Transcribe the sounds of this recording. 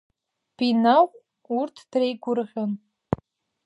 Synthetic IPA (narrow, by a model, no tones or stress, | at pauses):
b̥inawʷ | urtʰd̥rejɡʷʊrʁʲan